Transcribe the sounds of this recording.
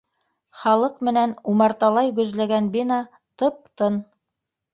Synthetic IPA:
χɑlˠɤqmɘ̆nænumɑɾt̪ɑlˠɑjɡɵ̆zlæɡænbinɑ | t̪ɤp̚t̪ɤn

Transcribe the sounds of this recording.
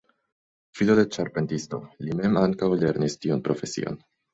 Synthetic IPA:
fidodet͡ʃaɾpe̞ntisto̞lime̞maŋkawle̞ɾnistiunpɾo̞fe̞sḭo̞̰n

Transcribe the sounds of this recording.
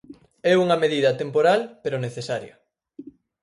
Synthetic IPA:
ɛuŋɐmeðiðɐt̪empoɾalpeɾoneθesaɾjɐ

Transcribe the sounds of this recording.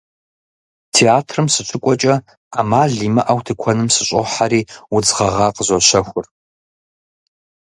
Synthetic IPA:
tʰeːaːtʰrɨmsɨɕʷʰʊkʷʼɔt͡ʃʼɐ | amaːɮiːmɐʔɐwtʰɨkʷʰɔnɨmsɨɕʷʼɔħaɾiːud͡zʁɐʁɑːqəzʷoɕɐxʷʊr

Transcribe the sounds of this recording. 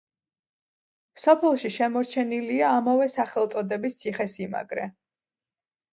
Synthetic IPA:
sɔpʰɛlˠʃiʃɛmɔɾt͡ʃʰɛniliaːmavɛsaχɛlˠt̪sʼɔd̪ɛbist̪sʰiχɛsima̰ɡɾɛ

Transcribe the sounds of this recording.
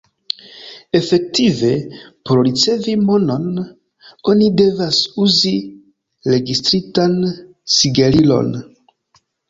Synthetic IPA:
e̞fe̞k̚tive̞poɾɾit͡se̞vimo̞no̞n | o̞nide̞vasuzi | ɾe̞ɡistɾitan | siɡaɾilo̞̰n

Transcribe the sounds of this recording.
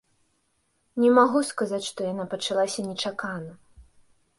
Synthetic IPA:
nʲɛmaɣuskazat͡sʲʂt̪ɔjanapɐt͡ʂalˠasʲɐnʲɛt͡ʂakanɐ

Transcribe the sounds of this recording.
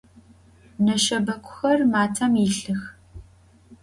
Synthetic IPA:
nɐʃɐbɐkʷʰʼʊ̥xɐrmaːtʰɐmiɬɨx

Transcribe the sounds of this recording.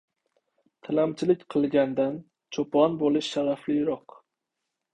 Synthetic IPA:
t̪ʰalamt͡ʃʰɪlɪkʲqʰɨlˠɡʲand̪an | t͡ʃʰopʰɒnbolˠɪʃːaɾaflɪjɾɒq

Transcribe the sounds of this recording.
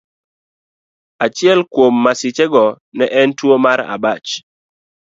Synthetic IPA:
at͡ʃɪɛlkwomːasɪt͡ʃɛɡɔ | nɛʔɛntwomaɾa̰bat͡ʃ

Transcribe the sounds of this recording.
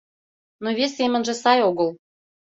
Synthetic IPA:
novesʲːemʲə̆nʒĕsɑjoɣəl

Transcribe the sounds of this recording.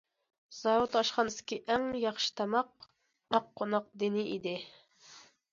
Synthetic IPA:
z̥ɑwut̪ɑʃχɑnɨsɪ̥kʲiʔɛŋjɑχʃɨ̥t̪ʰɑmɑq̚ | mɑqʰːonɑq̚d̪ɪnɪʔid̪ɪ

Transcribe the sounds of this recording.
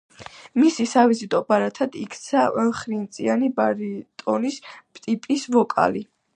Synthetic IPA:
misisavizit̪ʼɔbaɾat̪ʰad̪̥ikʰt̪sʰaʔɛlχɾint̪sʼianibaɾit̪ʼɔnispʼt̪ʼipʼisvɔkʼa̰li

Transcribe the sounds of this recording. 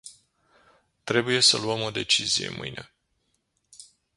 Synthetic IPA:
t̪ɾe̞buje̞səluəmo̞d̪e̞t͡ʃizije̞̰mʔɨ̰jnʔe̞

